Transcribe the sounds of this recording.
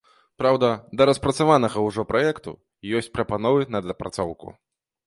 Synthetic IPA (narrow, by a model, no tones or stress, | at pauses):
pɾawd̪ɐd̪ɐɾɐspɾɐt̪savanɐɣɐwʐɔpɾajɛkt̪ṵ | jɔsʲt͡sʲpɾɐpanɔvɨnɐd̪lʲɐpɾat̪sɔwkṵ